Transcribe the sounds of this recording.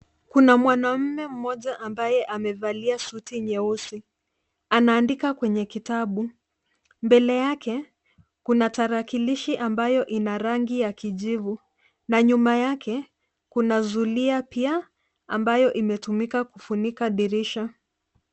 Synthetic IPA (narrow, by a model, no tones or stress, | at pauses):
kunamwanam̩mɛm̩mɔʄaʔambajɛʔamɛvaliasutiɲɛusi | anaːndikakwɛɲɛkitaɓu | mbɛlɛjakɛ | kunataɾakiliʃiʔambajɔʔinaɾaŋɡijakiʄivu | naɲumajakɛ | kunazuliapia | ambajɔʔimɛtumikakufunikaɗiɾiʃa